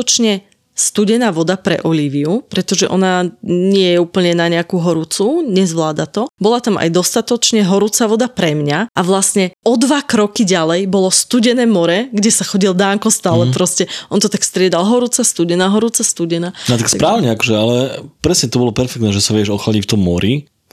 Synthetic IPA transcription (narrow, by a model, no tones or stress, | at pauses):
ɔt͡ʃɲɛ | st̪uɟɛnaːʋɔd̪apɾɛ̰ʔɔliːʋiupɾɛt̪ɔʒɛʔɔ̰naɲɪɛjɛuːpl̩ɲɛnaɲɛakuɦɔɾut͡suɲɛzʋlaːd̪at̪ɔbɔlat̪ama̰jd̪ɔst̪at̪ɔt͡ʃɲɛɦɔɾut͡saʋɔd̪apɾɛmɲaʔaʋlasɲɛɔd̪ʋakɾɔkiɟalɛjbɔlɔst̪uɟɛnɛːmɔɾɛɡɟɛsaxɔɟild̪aːŋkɔst̪aːlɛpɾɔscɛʔɔnt̪ɔt̪akfst̪ɾɪɛd̪alɦɔɾut͡sast̪uɟɛnaːɦɔɾuːt͡sast̪uɟɛnaːat̪akspɾaːʊɲɛakɔʒɛalɛpɾɛsɲɛt̪ɔbɔlɔpɛɾfɛkt̪nɛːʒɛsaʋɛʒɔxlaɟift̪ɔmːɔɾi